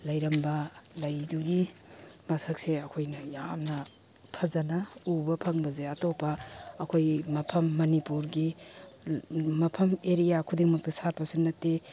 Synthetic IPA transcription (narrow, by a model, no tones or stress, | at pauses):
lɐjɾɐmbɐlɐjduɡimasɐkseɐkʰojnɐjamnɐ | pʰɐzɐnɐubɐpʰɐŋbɐzeɐtopɐːkʰojmɐpʰɐmːɐnipuɾɡi | mɐpʰɐmeɾijakʰudiŋmɐk̚tɐsaɾpɐsunːɐtːe